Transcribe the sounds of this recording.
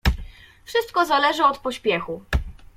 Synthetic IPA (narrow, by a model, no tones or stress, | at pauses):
fʂɘst̪̚kɔzalɛʐɘɔt̪pɔɕpʲjɛxu